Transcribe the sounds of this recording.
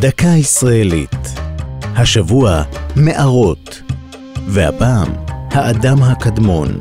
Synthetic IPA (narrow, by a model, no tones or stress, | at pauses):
d̪akaisʁaelḭt̪ | haʃavuame̞ʔaʁo̞t̪ | veha̰paːmhaʔːd̪amɦakadmo̞n